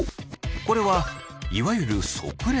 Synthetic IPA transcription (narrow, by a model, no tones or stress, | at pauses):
ko̞ɾe̞βa | iβajɯ̟ɾɯ̟so̞̰kɯ̟ɾe